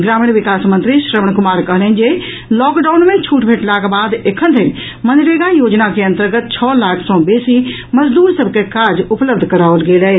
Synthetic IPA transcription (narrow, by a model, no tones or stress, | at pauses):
ɡɾaːmiɽʋɪkaːsmə̃nt̪ɾiʃɾəməɳ̃kʊmaːɾkəɦləɦn̆d͡ʒe | lɔːkɖaːʊnmẽt͡ʃʰuːʈbʱeːʈlaːkbaːd̪ekʰənd̪ʰʱən | mə̃nd̪ɪɾeɡãjoːd͡ʒnakeɐnt̪əɾɡət̪̚t͡ʃʰɔːlaːkʰsɔ̃beːsi | mɐd͡ʒd̪uːɾsɐbʱkekaːɾd͡ʒʊpləb̚d̪ʱkɐɾaːʋəlɡeːləɦe